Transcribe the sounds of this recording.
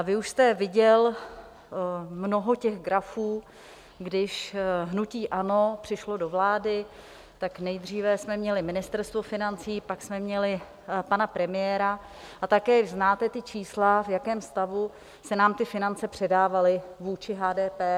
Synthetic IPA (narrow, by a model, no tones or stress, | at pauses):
vɪuʃst̪ɛvɪɟɛl | mno̞ɦo̞cɛɣɡɾafuː | ɡdɪʃɦnuciːʔano̞pr̝̥ɪʃlo̞do̞vlaːdɪ | t̪aknɛjd̪r̝iːvɛsmɛmɲɛlɪmɪnɪst̪ɛɾst̪vo̞fɪnant͡siːpaksmɛmɲɛlɪ | panapɾɛmɪjɛːɾa | ʔat̪akɛːznaːt̪ɛt̪ɪt͡ʃʰiːslavjakɛːmst̪avu | sɛnaːmt̪ɪfɪnant͡sɛpr̝̥ɛdaːvalɪvuːt͡ʃɪɦaːdɛːpɛː